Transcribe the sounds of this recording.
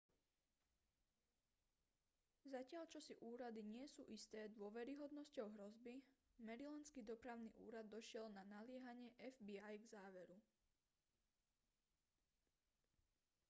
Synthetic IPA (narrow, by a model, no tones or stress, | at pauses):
zacɪaʎt͡ʃɔsiʔuːɾad̪iɲɪɛsṵːʔist̪ɛːd̪ʊɔʋɛɾiɦɔd̪nɔscɔʊɦɾɔzbimɛɾilɛnskid̪ɔpɾaʊnḭʔṵːɾad̪ːɔʃɪɛlnanalɪɛɦaɲɪɛʔɛvbiajɡzaːʋɛɾu